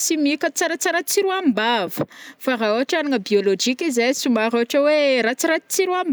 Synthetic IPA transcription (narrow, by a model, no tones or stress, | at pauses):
simikʲət͡saɾat͡saɾat͡siɾuambavə̥faraoaʈ͡ʂaniŋəbiolod͡ʒikizajsumaɾoaʈ͡ʂəweɾat͡siɾat͡siɾuam